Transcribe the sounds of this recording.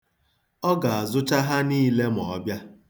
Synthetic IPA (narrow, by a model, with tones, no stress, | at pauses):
ɔ˦ɡa˨a˨zʊ˦t͡ʃa˦ɦa˦niː˦le˦m˨ɔ˨ɔ˦bja˦